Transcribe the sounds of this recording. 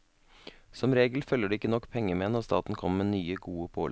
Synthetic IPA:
sɔmɾeːɡəl̩fœlːəɖʉːɪkːənɔkːpʰɛŋəmeːnɔɾst̪ɑːt̪n̩kʰɔməmeːnyːəɡuːəpʰoːl

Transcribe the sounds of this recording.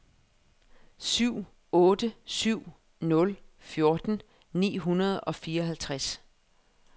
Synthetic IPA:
syʊ̰ | ɔ̽ːd̥əsyʊ̰ | nɔ̽lfjo̝ɐd̥n̩ | nḭːɦunɐð̞ˠɒ̽fiːɐɒ̽ɦælt͡sʰʁas

